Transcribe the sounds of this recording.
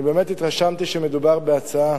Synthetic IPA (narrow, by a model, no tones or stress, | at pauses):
bɛmɛtit̪ʁaʃamt̪iʃɛmɛd̪ubaʁbeat͡saa